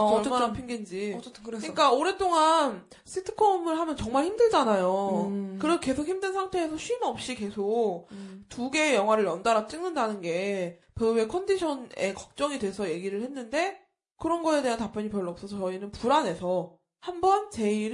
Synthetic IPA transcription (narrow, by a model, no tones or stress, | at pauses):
manapʰiŋɡind͡ʑikɾɯɲik͈aoɾet͈oŋan | s͈ʰitʰɯ̥kʰomɯɭɦamjʌnt͡ɕʌŋmaɭçimdɯɭd͡ʑanajokɯɾeɡke̞sʰok̚himdɯnsʰaŋtʰe̞ːsʰʌɕʰɥimʌp̚ɕ͈ike̞sʰok̚tuɡe̞ːjʌŋɦwaɾɯɭjʌndaɾat͡ɕ͈iŋnɯndanɯnɡe̞pee̞kʰʌndiɕʰʌne̞̰kʌk̚t͡ɕ͈ʌŋidwe̞sʰʌje̞ɡiɾɯɭhe̞nːɯnde̞ | kɯɾʌnɡʌe̞de̞ɦantap͈jʌɲipjʌɭːʌp̚s͈ʌsʰʌt͡ɕʌinɯnpuɾane̞sʰʌ | hambʌnt͡ɕe̞iɾ